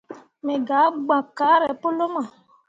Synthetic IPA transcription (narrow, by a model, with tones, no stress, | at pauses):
me˨ɡa˨˦ɡ͡bã˨ka˦ɾɛ˨po˦lo˦mã˨